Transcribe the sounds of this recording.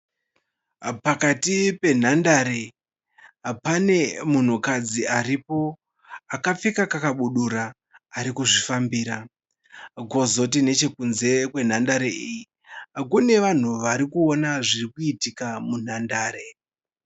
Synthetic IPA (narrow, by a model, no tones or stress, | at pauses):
pakatipe̞n̤andaɾe̞ | pane̞mun̤ukad͡ziaripo̞ | akap͡fekakakaɓuɗuɾaː | ɾikuʐifambiːɾa | ɡʱo̞zo̞t̬ine̞t͡ʃe̞kunze̞kwe̞n̤andaɾeiji | kune̞ʋan̤uʋaɾikuonaʐirikuitikamun̤andaːɾe̞